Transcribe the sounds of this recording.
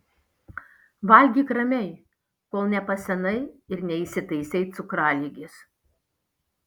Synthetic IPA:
ʋɐlʲɡʲiːkɾɐmʲɛɪ | koːlˠnʲɛpɐsʲɛnɐɪɪɾnʲɛiːˑsʲɪt̪ɐɪsʲɛɪt̪sʊkɾɑːlʲiɡʲɪs

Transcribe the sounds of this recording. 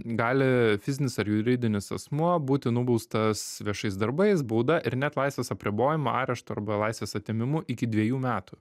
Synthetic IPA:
ɡɑːlʲɪfʲɪzʲɪnʲɪsɐɾjʊɾʲɪd̪ʲɪnʲɪsɐsmuɔbuːt̪ʲɪnʊbɐʊst̪ɐsʋʲiɛʃɐɪsd̪ɐɾbɐɪs̬buːd̪ɐʔɪɾnʲæt̪lˠɐɪsʲʋʲeːsɐpʲɾʲɪboːjɪmɐɑ̰ːɾʲɛʃt̪ʊɐ̰ɾbɐlˠɑɪsʲʋʲeːsɐt̪ʲemʲɪmʊʔɪkʲɪd̪ʲʋʲiɛjuːmʲæːt̪ʊ

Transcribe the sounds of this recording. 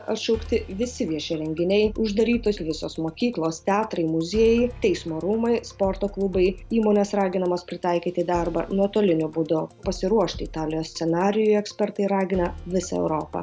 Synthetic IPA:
ɐtʃɛʊkt̪ʲɪʋʲɪsʲɪʋʲiɛʃʲɛɾʲɛŋʲɡʲɪnʲɛɪʊʒd̪ɐɾʲiːt̪oːsʋʲɪsoːsmoːkʲiːklˠoːst̪ʲɛɑːt̪ɾɐɪmʊzʲiɛjɛɪt̪ʲɛɪsmoːɾuːmɐɪspoːɾt̪oːklˠʊbɐɪiːmoːnʲeːsɾɑːɡʲɪnɐmoːspʲɾʲɪt̪ɑɪkʲiːt̪ʲɪd̪ʲɑɾbɐ̰nuɔt̪oːlʲɪnʲʊbʊd̪ʊpɐsʲɪɾuɔʃt̪ʲɪɪt̪ɑːlʲɪjoːsʲt̪sʲɛnɑːɾʲɪjʊɛksʲpʲɛɾt̪ɐɪɾɑːɡʲɪnɐʋʲɪsɐ̰ɛ̰ʊɾoːpɐ̰

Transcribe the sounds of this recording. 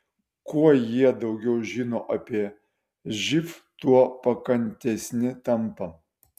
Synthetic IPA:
kuɔjiɛd̪ɐʊɡʲɛʊʒʲiːnoːʔɐpʲiɛ | ʒʲɪft̪uɔpɐkɐnʲt̪ʲɛsʲnʲɪt̪ɐmpɐ

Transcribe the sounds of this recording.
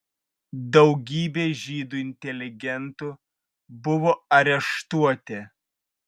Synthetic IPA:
d̪ɒʊɡʲiːbʲeːʒʲiːd̪uɪnʲt̪ʲɛlʲɪɡʲɛnt̪uː | bʊʋoːɐɾʲɛʃt̪uɔt̪ʲe

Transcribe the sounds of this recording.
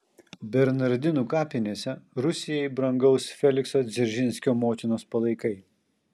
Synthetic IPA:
bʲɛɾnɐɾʲd̪ʲɪnuːkɑːpʲɪnʲeːsʲɛɾʊsʲɪjɛɪbɾɐŋɡɐʊsfʲɛlʲɪksoːd̪zʲɛɾʲʒʲɪnʲsʲkʲoːmoːt̪ʲɪnoːspɐlˠɐɪkɐɪ

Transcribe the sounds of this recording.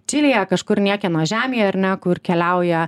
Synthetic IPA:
t͡ʃʲɪlʲɪjɛkɐʃkʊrnʲiɛkʲɛnoːʒʲæːmʲɪjɛɐɾʲnʲɛkʊrkʲɛlʲæʊjɛ

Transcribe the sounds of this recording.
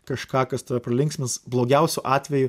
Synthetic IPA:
kɐʃkɑːkɐst̪oʋʲɛpɾɐlʲɪŋksʲmʲɪsblˠoːɡʲɛʊsʲʊʔɑːt̪ʲʋʲɛjʊ

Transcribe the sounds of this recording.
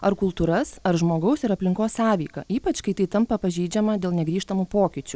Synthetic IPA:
ɐɾkʊlˠt̪uːɾɐsɐɾʒmoːɡɐʊsɪɾɐpʲlʲɪŋkoːssɑːʋʲiːkɐ̰iːpɐt͡ʃkɐɪt̪ɐɪt̪ɐmpɐpɐʒʲiːd͡ʒʲɛmɐd̪ʲeːlˠnʲɛɡɾʲiːʃt̪ɐmupoːkʲɪt͡ʃʲʊ

